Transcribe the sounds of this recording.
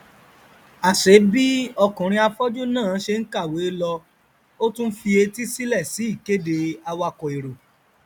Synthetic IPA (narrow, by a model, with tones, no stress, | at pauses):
a˨ʃe˨˦bi˦ɔ˧kũ˨ɾ̃ĩ˧a˧fɔ˦d͡ʒu˦nãː˦˨˦ʃe˧n̩˦ka˦˨we˨˦lɔ˧ | o˦tũ˦fi˧e˧ti˦si˦lɛ˦˨si˨˦i˦˨ke˦de˧a˧wa˧kɔ˨e˨ɾo˨